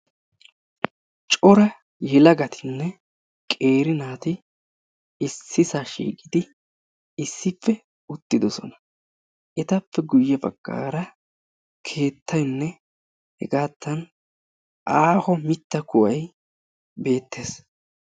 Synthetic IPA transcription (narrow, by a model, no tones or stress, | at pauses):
t͡ʃʼɔɾɐ | jɛlɐɡɐt̪ʰɪnːɛ | kʼe̞ːɾɪnaːt̪ɪ | ɪsːɪsaʃḭːkʼɪd̪ɪ | ɪsːɪfːɛ | ʊt̪ːɪd̪ɔsɔ̰nɐ̥ | ʔɛt̪ɐpːɛɡʊjːɛbɐ̰ɡ̥ːa̰ːɾɐ | kʰe̞ːt̪ʰːɐjnːɛ | hɛɡaːt̪ːɐn | ʔaːhɔmɪt̪ːɐkʊʔɐj | be̞ːt̪ːe̞ːs